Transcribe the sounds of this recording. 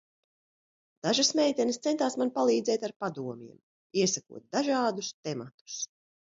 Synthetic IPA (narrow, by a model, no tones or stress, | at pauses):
d̪̥aʒasmɛjt̪ʲɛnst̪sɛnt̪aːsmanpalˠiːd̪zɛjt̪aɾpad̪uɔmʲḭɛm | iɛsakṵɔt̪̚d̪aʒaːd̪ust̪ɛmat̪u̥s